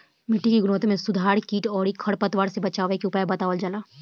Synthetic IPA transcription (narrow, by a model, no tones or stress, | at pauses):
mɪʈʰːikiɡʊnɔːt̪mẽsʊd̪ʱaːɾkiːʈɔːɾikʰɐɽpɐt̪ʋaːɾsebɐt͡ʃaːʋekeʊpaːjbɐt̪aːʋəld͡ʒalaː